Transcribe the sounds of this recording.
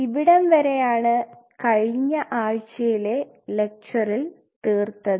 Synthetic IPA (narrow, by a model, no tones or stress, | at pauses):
iʋiɽɐmʋɐɾejaːɳɨkɐɻiɲːɐʔaːɻt͡ɕːɐjile̞ | le̞k̚t͡ɕɐril | t̪iːrt̪ːɐðɨ